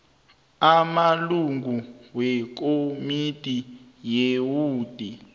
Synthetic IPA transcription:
amaluŋɡuwɛk̬omitʼi | jewuːd̥ʱi

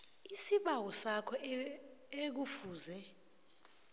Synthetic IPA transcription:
isiɓawɔsakʰɔ | ek̬ufuːzɛ

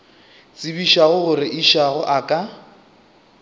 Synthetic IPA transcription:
t͡sʼɪbiʃaɣʊɣʊɾɪʔiʃaɣʊʔakʼa

